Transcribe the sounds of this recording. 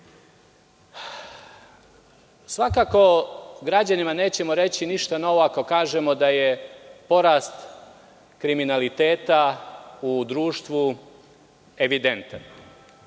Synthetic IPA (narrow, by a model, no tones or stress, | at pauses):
sʋakako̞ɡɾad͡ʑanimane̞ːt͡ɕe̞mo̞ɾe̞t͡ɕiniʃt̪ano̞ʋo̞ako̞kaːʒemo̞d̪aje̞po̞ɾaːst̪ | kɾiminalit̪e̞ːt̪aud̪ɾuːʃt̪ʋu | e̞ʋid̪e̞nt̪an